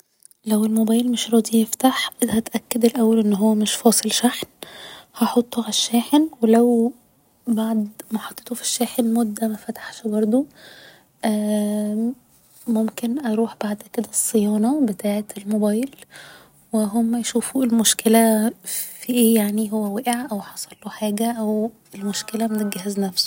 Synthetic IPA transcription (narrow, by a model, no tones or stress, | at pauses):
læwelmobæːjlmeʃɾˤɑːd̪ijeft̪aħʔhæt̪ʔækːæd̪elʔæwːælʔenːɦowːæmeʃfɑːsˤelʃaħnhɑħot̪ˤːoʕæʃːæːħenwelæw | baʕd̪mæħɑt̪ˤːe̥t̪ofi̥ʃːæːħenmod̪ːæmæfæt̪ḁħʃbɑɾˤd̪ˤo | ʔæː | momkenʔɑɾˤuːħb̥aʕd̪ked̪æsˤːejɑːnɑbet̪ʰaːʕet̪elmobæːjl | weɦomːæjʃuːfuːelmoʃkelæ | fiʔeːjaʕniɦowːæwæʔeʕʔæwħɑsˤɑlːoħaːɡæʔæw | elmoʃkelæmenet̪̚ɡæhæznæfso̥